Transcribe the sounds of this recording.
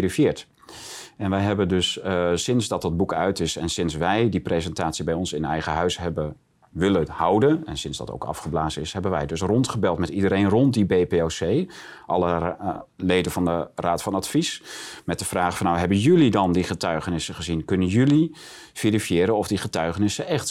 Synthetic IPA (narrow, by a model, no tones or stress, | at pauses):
rifjɪːɹt | ɛnʋɛjɦɛbəndɵssɪnzdɑt̚ɑd̚bukœ̰ɥtɪsɛnsɪnsʋɛjdiprezɛntaːtsibɛjɔnsɪnəɛ̰jχəɦœɥsɦɛbə | ʋɪləhɑwdənɛ̰nsɪnzdɑ̰to̰wkɑ̰fχəblaːzənɪsɦɛbənʋɛjdɵs̬rɔntχəbɛlˠtmɛtidəɾejnrɔnt̚dibejpeosejʔɑlˠə | lejdəvɑndəraːtfɑnɑtfismɛt̚dəv̥raːχfɑnːawɦɛbənjɵlidɑndiχətœɥχənɪsəχəzinkɵnənjɵlifiɾifijɪːɾənɔvdiχətœɥχənɪsəʔɛχt